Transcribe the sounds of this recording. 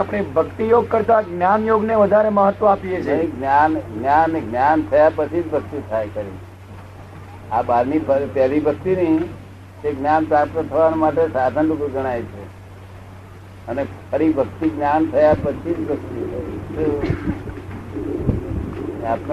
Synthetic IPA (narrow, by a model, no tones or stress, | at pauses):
apɽ̃ebʱəkt̪ijoɡ̚kəɾt̪aɡnjanjoɡneʋəd̪ʱaɾeməɦət̪ʋõapiet͡ʃʰeɡnjanɡnjanɡnjant̪ʰəjapət͡ʃʰid͡ʒbʱək̚t̪it̪ʰajkəɾḭ | abad̪nibət̪alibʱək̚t̪inəɦĩ | eɡnjanpɾap̚t̪ət̪ʰəʋanemaʈesad̪ʱənlukuɡəɽ̃aet͡ʃʰe | ənekʰəɾibʱəkt̪iɡnjant̪ʰəjapət͡ʃʰid͡ʒbəkt̪iit | apn